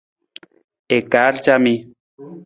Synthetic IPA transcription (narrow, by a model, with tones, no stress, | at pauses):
e˨ka˨˦ɾt͡ʃami˧